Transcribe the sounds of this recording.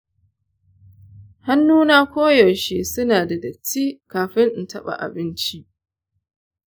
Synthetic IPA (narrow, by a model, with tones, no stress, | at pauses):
ha˦nːuː˦naː˦kʷoː˦jɔ˨ʃe˦sʊ˦naː˨da˨dɐ˨t͡ʃːiː˦kaː˨ɸɪ˦ŋʔ̩˨tɐ˦ɓa̰˨ʔa̰˨bɪ˦nt͡ʃi˦ʔ